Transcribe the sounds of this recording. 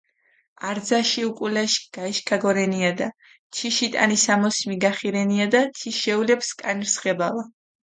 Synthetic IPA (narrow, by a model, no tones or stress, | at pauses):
aɾd̪zaʃiukʼulɛʃɡ̥aiʃkʰaɡɔɾɛniad̪a | t͡ʃʰiʃit̪ʼa̰nisamɔsmiɡaχiɾɛniad̪at͡ʃ̪ʰiʃɛulɛpskʼanɾsχɛbava